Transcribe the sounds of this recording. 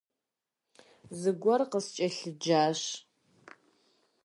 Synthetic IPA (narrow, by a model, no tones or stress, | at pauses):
zɨɡʷɔrqəst͡ʃʼɐɬɨd͡ʒaːɕ